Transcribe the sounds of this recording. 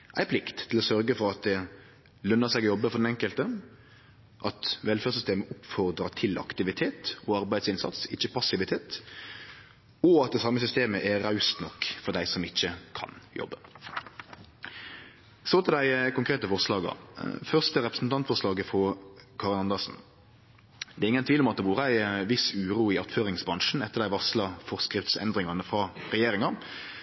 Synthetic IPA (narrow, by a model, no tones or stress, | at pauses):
ʔæɪpʰlɪkt̪ʰːɪlɔsœɾɡəfɔɾɑt̪̚d̪ɛ | lœnːəsɛːɡɔjɔbːəfɔʁd̪ɛnɛŋkəlt̪ə | ʔɑt̪ʋɛlføːʁsʏst̪eːməʊpfɔʁd̪ɾɑt̪ʰɪlʔɑ̰kt̪ɪʋɪt̪ʰeːt̪ɔɑɾbæɪsɪnsɑ̰t̪sɪçːəpʰɑsɪʋɪt̪ʰeːt̪ | ɔɑt̪̚d̪ɛsɑmːəsʏst̪eːməʔɛːɑʉst̪nɔkːfɔd̪æɪsɔmɪçːəkʰɑ̰njɔ̰bːə | sot̪ʰɪld̪æɪkʊŋkʰʁeːt̪əfɔʁʂlɑːɡɑ̰ʁfœʁst̪əɾɛpɾəsn̩t̪ɑnt̪fɔʁʂlɑːɡəfɔkʰɑːʁənɑnd̪ɑsn̩ | d̪ɛɾɪŋənt̪ʰʋiːlɔmɑt̪̚d̪ɛʋuːɾəæɪʋɪsʉːɾuːɪɑt̪føːʁɪŋsbʁɑnʂn̩ɛt̪ːəʁd̪æɪʋɑslɑfɔʁskʁɪft̪sɛ̰nd̪ʁɪŋɑnəfɾɑʁɛjeːɾɪŋɑ